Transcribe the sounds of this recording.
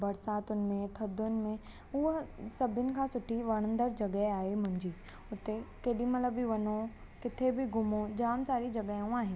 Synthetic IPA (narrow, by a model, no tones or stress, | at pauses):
bɐɾsaːt̪ʊnmẽt̪ʰɐd̪ʊnɪ̆mẽ | ʊɦsɐbʱɪnɪ̆kʰãːsʊʈʰiʋɐɽ̃ə̃nd̪əɾd͡ʒɐɡəɦaːemʊ̃ɪ̃nd͡ʑiː | ʊt̪ːekeːɗimɐt̪ləbiʋɐno | kɪt̪ʰebʱiɡʱʊmod͡ʒaːmsaːɾid͡ʒɐɡəũaːɦɪn